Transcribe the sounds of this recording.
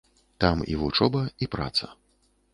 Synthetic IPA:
t̪amḭvut͡ʂɔbɐipɾa̰t̪sɐ̰

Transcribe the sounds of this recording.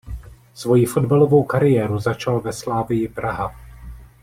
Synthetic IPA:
svo̞jifo̞dbalo̞vo̞wkaɾɪjɛːɾuzat͡ʃalvɛslaːvɪjɪpɾʔaɦa

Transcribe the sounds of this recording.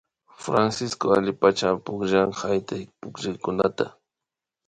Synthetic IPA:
fɾansɪskoalɪpat͡ʃapʊkʒaŋhajt̪ajpʊkʒɪjkʊnat̪a

